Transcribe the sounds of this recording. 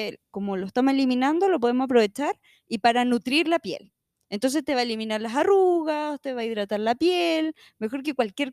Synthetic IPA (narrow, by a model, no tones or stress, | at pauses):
ko̞moloest̪amose̞liminand̪o̞lo̞p̬o̞ðemosapɾo̞e̞t͡ʃaɾ | ipaɾanut̪ɾiɾlapjḛl | ent̪o̞ns̬et̪e̞βaeliminaɾlasaruɣat̪eβaiðɾat̪aɾlapjel | me̞xo̞ɾk̬ekwalkʲje̞ɾ